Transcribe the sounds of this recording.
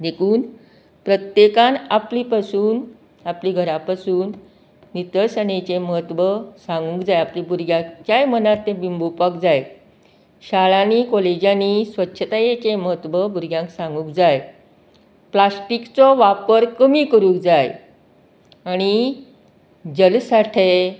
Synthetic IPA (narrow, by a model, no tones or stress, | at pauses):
d̪ekʰuːn | pɾət̪jekãnapliːpasuːn | apliːɡʱəɾapasuːnː | it̪əɾsənet͡ɕeməɦət̪ʋəsãŋɡũkd͡zajaplibuɾɡjãkt͡ɕjajmənat̪ːẽbimbʱupəkd͡zaj | ɕaɭanikɔled͡ʑjanisʋətːɕʰət̪ajet͡ɕeməɦət̪ʋəbuɾɡjãŋksãŋɡũkd͡zaj | plasʈikt͡sɔʋapəɾkəmikəɾũːk̚d͡zaj | aɽ̃i | d͡ʑəlsaʈʰe